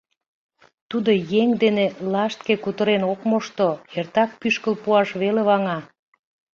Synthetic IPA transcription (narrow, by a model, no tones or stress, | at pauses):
t̪ud̪ojeŋd̪enelɑʃt̪̚kekut̪əɾenokmoʃt̪oert̪ɑk̚pyʃkəlpuɑʃβeleβɑŋɑ